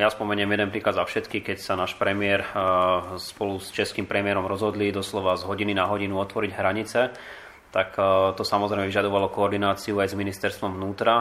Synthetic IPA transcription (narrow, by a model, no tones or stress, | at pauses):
jaspɔmɛɲɛmjɛd̪ɛnpɾiːklad̪zafʃɛt̪kixkɛcsanaːʃpɾɛmɪɛɾ | spɔlust͡ʃɛskimpɾɛmɪɛɾɔmɾɔzɦɔd̪lid̪ɔslɔʋazɦɔɟininaɦɔɟinuɔt̪ʋɔɾiɟɦɾaɲit͡sɛ | t̪akt̪ɔsamɔzɾɛjmɛʋiʒad̪ɔʋalɔkɔːɾd̪inaːt͡siuajzminist̪ɛɾst̪ʋɔmvnuːt̪ɾa